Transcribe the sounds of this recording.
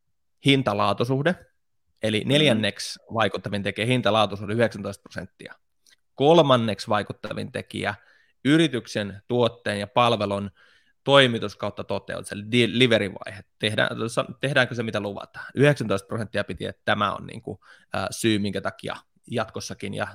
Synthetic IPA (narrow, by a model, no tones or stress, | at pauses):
hint̪ɑlɑːt̪usuhde | ʔeline̞ljænːeksʋɑikut̪ːɑʋint̪e̞kiæhint̪ɑlɑːt̪usuhdeyheksænt̪oist̪̚prosḛnt̪ːiɑ | kolmɑnːe̞ksʋɑikut̪ːɑʋḭnt̪e̞kḭæ | yɾit̪yksent̪uot̪ːeːnjɑpɑlʋelon | t̪o̞imit̪uskɑut̪ːɑt̪ot̪ḛṵt̪seliliʋeɾiʋɑ̰ihett̪ehdæ̰ːsɑt̪ehdæːŋkøsemit̪æluʋɑ̰t̪ɑ̥yheksænt̪oist̪̚prosent̪ːiɑpit̪iḛt̪t̪æmæo̰nnḭːŋkṵ | ə̰ːsyːmiŋkæt̪ɑkiɑ̰ | jɑt̪kosːɑkinjɑ̰